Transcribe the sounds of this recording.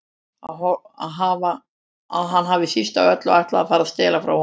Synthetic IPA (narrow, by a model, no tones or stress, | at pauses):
ahɔ | aðɦava | aðɦanːɦavɪisist̪aœt̪lɔajht̪laːfaːɾaðst̪ɛːlafɾawh